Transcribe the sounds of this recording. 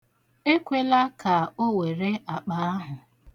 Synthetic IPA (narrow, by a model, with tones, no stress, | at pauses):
e˦kʷe˦la˦ka˨o˦we˨ɾe˦ʔa˨k͡pa˨a˦ɦʊ˨